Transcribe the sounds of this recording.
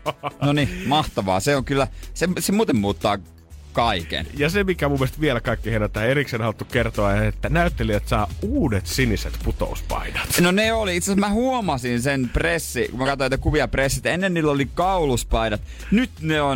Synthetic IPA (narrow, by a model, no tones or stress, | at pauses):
nonimɑht̪ɑʋɑ̰ːseoŋkylːæsemsemuːt̪emmuːt̪ːɑ̰ː | kɑikḛnjɑsemikæmumːielst̪ʋielkɑikːihenæt̪ːæːeriksenhɑlt̪ːukkert̪oɑet̪ːænæyt̪ːeliæt̪sɑːuːdet̪siniset̪put̪o̰uspɑ̰inɑ̥t̪noneoliit̪sesmæhuomɑsinsenpresːikumækɑt̪oet̪ːækuʋiɑpresːit̪enːenniːlːolikɑuluspɑinɑt̪ | nyt̪neon